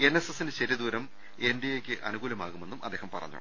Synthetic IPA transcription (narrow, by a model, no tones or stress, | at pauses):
e̞nːesesːindet͡ɕeɾjɐd̪uːɾɐm | e̞ndijekʲːɨʔɐ̰nuɣuːlɐmaːɣume̞nːumʔɐd̪ːeːhɐmpɐrɐ̰ɲːṵ